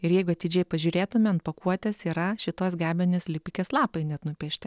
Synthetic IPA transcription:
ɪɾjɛɪɡʊɐt̪ʲɪd͡ʒʲɛɪpɐʒʲuːɾʲeːt̪ʊmʲɛɐnt̪̚pɐkuɔt̪ʲɛsiːɾɐʃʲɪt̪oːsɡʲæːbʲɛnʲeːslʲɪpʲɪkʲeːslˠɑːpɐɪnʲɛt̪nʊpʲɛʃʲt̪ʲɛ

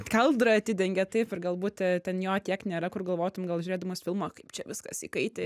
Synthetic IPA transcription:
kʲɐlˠd̪ɾɐɐt̪ʲɪd̪ʲɛŋʲɡʲɛt̪ɐɪpɪrɡɐlˠbuːt̪ʲtʲɛtʲɛnjoːt̪ʲiɛknʲeːɾɐkʊrɡɐlˠʋoːt̪ʊmɡɐlˠʒʲʊːɾeːd̪ɐmoːsfʲɪlˠmoːkɐɪpt͡ʃʲɛʋʲɪskɐsḭːkɐɪt̪ʲeː

